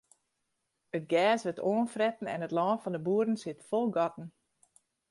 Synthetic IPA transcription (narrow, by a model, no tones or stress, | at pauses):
ət̚ɡɛːsʋətʰoːənfrɛtən̩ɛ̰nətlɔːnfɔndəbuəɾn̩sɪtfolˠɡɔtn̩